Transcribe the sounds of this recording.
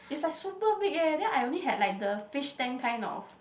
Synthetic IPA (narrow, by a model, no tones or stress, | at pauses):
itslajksupəbikɛdɛ̃naɪjõnliɦɛd̚lajk̚dəfiʃtɛ̃nkʰãj̃nɔ̰f